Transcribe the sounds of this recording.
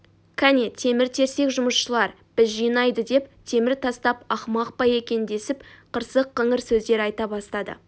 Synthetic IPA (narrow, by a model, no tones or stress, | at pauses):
kʰænet̪ʰe̞mɪɾt̪ʰe̞ɾse̞kʒʊməsʃəlˠɑɾ | b̥ɪzʒijnɑjd̪əd̪e̞p̚t̪ʰe̞mɪɾt̪ʰɑst̪ɑpɑχmɑqpɑje̞kʲe̞nd̪e̞sɪpqʰəɾsəqːəɴəɾsɵzd̪e̞ɾɑjt̪ɑbɑst̪ɑd̪ə̰